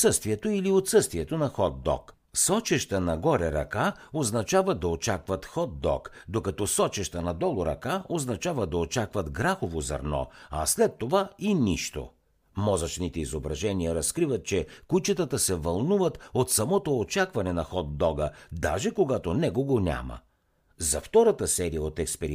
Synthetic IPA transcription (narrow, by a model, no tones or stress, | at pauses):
sɤst̪viɛt̪oiliot̪sɤst̪viɛt̪onɐxɔd̪d̪ːɔ̰k | sɔt͡ʃɛʃt̪ənɐɡɔɾɛɾɐ̰ka | oznɐt͡ʃavəd̪ɐot͡ʃakvət̪xɔd̪d̪ːɔ̰kd̪okɐt̪ɔsɔt͡ʃɛʃt̪ənɐd̪ɔlˠʊɾɐ̰kaoznɐt͡ʃavəd̪ɐot͡ʃakvət̪ɡɾaxovozɐ̰ɾnɔ̰ɐ̰slɛt̪ːovainiʃt̪o̰ | mɔzɐt͡ʃnit̪ɛizobɾɐʒɛniəɾɐskɾivət̪̚t͡ʃɛkut͡ʃət̪ət̪əsɛvɐlˠnuvət̪ot̪sɐmɔt̪oːt͡ʃakvɐnɛnɐxɔd̪ːɔɡəd̪a̰ʒɛkoɡat̪onɛkoɡonʲa̰mə̰ | zɐft̪ɔɾət̪əsɛɾijəot̪ɛkspɛɾi